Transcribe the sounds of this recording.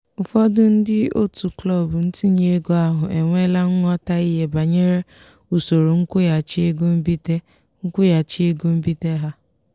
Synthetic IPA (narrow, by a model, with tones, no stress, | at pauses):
ʊ˨fɔ˦dʊ˦n̩˦dɪ˦o̰˦tu˨klɔ˦˨bʊ˨n̩˦ti˦ɲe˦e˦ɡo˦a˦ɦʊ˨ʔe˨ŋʷe˦la˦ŋ̩˦ŋɔ˦ta˦i˦ɦe˦ba˨ɲe˦ɾe˦ | u˨so˨ɾo˨ŋ̩˦kʊ˦ja˨t͡ʃi˦e˦ɡo˦m̩˦bi˦te˦ | ŋ̩˦kʷʊ˦ja˨t͡ʃi˦e˦ɡo˦m̩˦bi˦te˦ɦa˦